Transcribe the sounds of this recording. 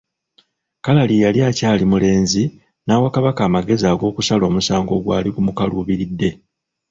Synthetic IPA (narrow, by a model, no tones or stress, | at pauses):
kalalijaliacaːlimule̞ːnzi | naːwakaβakaːmaɡe̞ziaɡo̞ːkusalo̞ːmusaːŋɡo̞ɡwa̰ːliɡumukaluβiɾidːe̞